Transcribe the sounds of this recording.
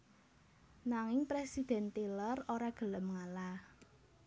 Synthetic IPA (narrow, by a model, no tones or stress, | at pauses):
naŋɪŋpɾesid̪̥ɛ̤nt̪iləroɾaɡ̥ə̤ləmŋalah